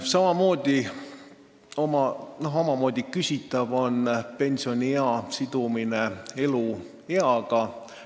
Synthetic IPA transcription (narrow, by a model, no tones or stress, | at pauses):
sɑmɑmo̞ːd̪̥i | omɑno̞ɦo̞mɑmo̞ːd̪̥ʲikysit̪ːˑɑvo̞npe̞nʲsio̞nʲieɑsid̪̥uminee̞lu | e̞ɑɡ̥ɑ